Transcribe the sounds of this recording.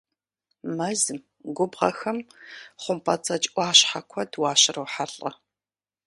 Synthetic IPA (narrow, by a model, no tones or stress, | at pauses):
mɐzm | ɡʷʊbʁɐ̰xɐmχʷʊmpʰɐt͡sʰʼɐt͡ʃʼʔʷʼɑːɕħakʷʰɔdwaːɕɪrɐwħaɬʼɐ̰